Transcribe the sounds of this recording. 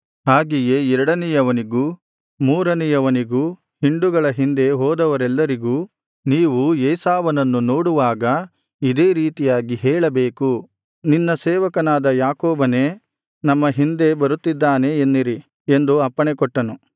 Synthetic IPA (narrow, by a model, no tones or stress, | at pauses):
ɦaːɡijeːɛɾɐɽɐnɛjɐʋɐniɡuː | muːɾɐnɛjɐʋɐniɡuː | hiɳɖuɡɐɭɐɦind̪e̞ɦɔːd̪ɐʋɐɾɛlːɐɾiɡuː | niːʋujɛːsaːʋɐnɐnːunoːɽuʋaːɡɐ | id̪e̞ːɾiːt̪ijaːɡiɦɛːɭɐbeːku | ninːɐsɛːʋɐkɐnaːd̪ɐjaːkoːbɐne̞ː | nɐmːɐɦind̪e̞bɐɾut̪ːid̪ːaːne̞ːnːiɾi | end̪uɐpːɐɳekɔʈːɐnu